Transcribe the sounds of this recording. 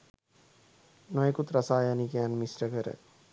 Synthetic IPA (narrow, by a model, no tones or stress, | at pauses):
nɔjekut̪ɾasaːjanikeanmisɾəkəɾə̰